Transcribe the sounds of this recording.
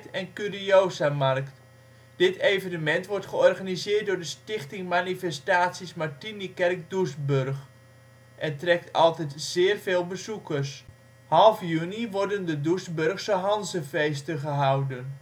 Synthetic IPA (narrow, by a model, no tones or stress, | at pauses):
tɛnkyrioːzamarkt | d̥ɪtʰejvənəmɛntʋɔrtχəɔrχanizɪːt̚dʊːɹdəstɪχtɪŋmanifɛstaːtsismartinikɛrk̚dusbørχ | ʔɛntrɛk̚tʰɑlˠtɛtz̥ɪːrveːlˠbəzukərs | hɑlˠfjyniʋɔrdəndədusbørχsəɦɑnzəfejstəχəɦawdən